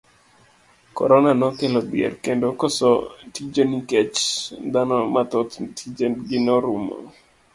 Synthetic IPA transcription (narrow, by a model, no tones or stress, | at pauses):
kɔ̰ɾɔnanɔkelɔbiɛ̰rkendokɔsɔtid͡ʒonikɛt͡ʃd̪anɔmat̪ɔt̪tʰid͡ʒendɡɪnɔɾumɔ̰